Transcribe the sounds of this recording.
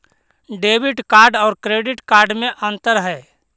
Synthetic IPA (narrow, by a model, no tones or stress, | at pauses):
ɖeːbɪʈkaːɾɖɔːɾkɾeːɖɪʈkaːɾɖmẽʔə̃nt̪əɾɦɛː